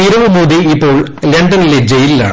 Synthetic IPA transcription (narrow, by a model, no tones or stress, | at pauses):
iɾɐʋumoːd̪iipːo̞ːɭleɳɖɐniled͡ʑejilila̰ː